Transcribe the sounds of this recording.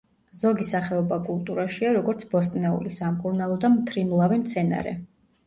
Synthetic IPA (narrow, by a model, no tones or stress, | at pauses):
z̥ɔɡisaχɛɔbakʼulˠt̪ʼuɾaʃiaɾɔɡɔɾt̪sʰbɔst̪ʼnɛṵlisamkʼuɾnalˠɔd̪amt̪ʰɾimlˠavimt̪sʰɛna̰ɾɛ̰